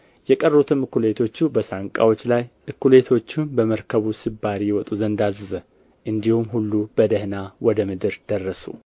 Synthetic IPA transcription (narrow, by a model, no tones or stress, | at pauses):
jɛkʼərːut̪ʰɨmɨkulet̪ʰo̞t͡ʃːubəsaŋkʼa̰wo̞t͡ʃːlajʔɨkːule̞t̪ʰo̞t͡ʃːumbəməɾkʰəβusɨbːaɾijɛwɔt̪ʼuzənd̪azɨzə | ʔɨnd̪ihumhulːub̥əd̪əhnawɔd̪əmɨd̪ɨɾd̪̥ərːəsṵ